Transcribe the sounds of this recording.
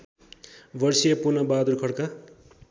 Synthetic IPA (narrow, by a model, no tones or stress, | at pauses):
bʌrsijʌpunʌbad̪urkʰʌɽka